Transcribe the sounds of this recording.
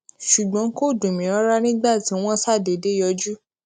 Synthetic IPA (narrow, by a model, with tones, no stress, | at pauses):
ʃu˨ɡ͡bɔ̃˧˦ko˦˨dũ˨mĩ˨ɾɔ˦ɾa˦nĩ˦ɡ͡ba˦˨tĩ˨˦w̃ɔ̃˦sa˦˨de˨de˨˦jɔ˧˦d͡ʒu˦